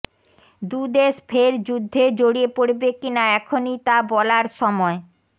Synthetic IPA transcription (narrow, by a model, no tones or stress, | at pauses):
d̪ud̪eʃfʰeɾd͡ʑud̪ʱːed͡ʑoɽiepoɽbekinaɛkʰonit̪abɔlaɾʃɔmɔe